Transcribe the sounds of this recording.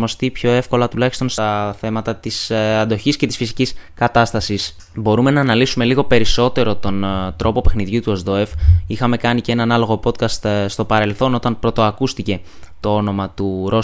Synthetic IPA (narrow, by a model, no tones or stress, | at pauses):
mo̞st̪ipço̞e̞fko̞lɐt̪ulɐçi̥st̪o̞nst̪ɐθe̞mɐt̪ɐt̪isɐnd̪o̞çisce̞t̪isfisiciskɐt̪ɐst̪ɐsis | bo̞ɾume̞nɐːnɐlisume̞liɣo̞pe̞ɾiso̞t̪e̞ɾo̞t̪o̞nt̪ɾo̞po̞pe̞xniðʝut̪uozðoe̞fixɐme̞kɐnicee̞nɐnɐlo̞ɣo̞po̞t̪kɐst̪st̪o̞pɐɾe̞lθo̞no̞t̪ɐnpɾo̞t̪o̞ɐkust̪ice̞ | t̪o̞o̞no̞mɐt̪uɾo̞